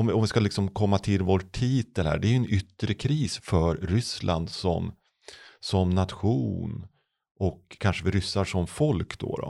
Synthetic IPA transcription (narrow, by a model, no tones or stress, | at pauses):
ɔmɔmvɪskalɪksɔmkʰɔmːat̪ʰɪlvoʈʰːiːt̪əlhæ̰ːɖɛæɾjɵɛnʏt̪ːɾəkʰɾiːsfœɾɾʏslʔa̰nd̪sɔ̰m | sɔmnat̪ɧuːn | ɔkʰːanʂəvɪɾʏsːaʂɔmfɔlkd̪̥ɔ̰ɾɔ̰